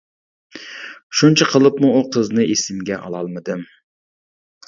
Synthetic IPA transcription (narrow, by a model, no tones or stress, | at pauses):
ʃunt͡ʃʰɛqʰəlˠɨpmuːqʰəznɨʔesɪmɡʲɛʔɑ̰lˠɑlˠmɨd̪ɨm